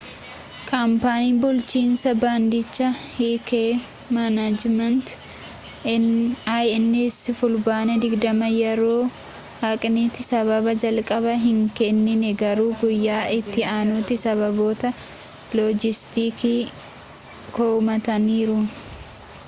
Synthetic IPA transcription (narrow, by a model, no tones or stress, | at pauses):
kʰɐmpaːniːbʊlt͡ʃiːnsɐbaːnd̪ɪt͡ʃːɐhiːkeː | mɐnad͡ʒmɐnt̪ | ajɛnːesɪfʊlbaːnɛd̪ɪɡd̪ɐmɐjɛɾoː | hɐkʼnit̪ɪsɐβɐbɐd͡ʒɐlkʼɐbɐɦɪŋkɛnːɪnɛɡɐɾuːɡʊjːaːʔɪt̪ːɪaːnuːt̪ɪsɐβɐbo̞ːt̪ɐ | lɔd͡ʒɪst̪iːkiː | koːmɐt̪ɐniːɾʊ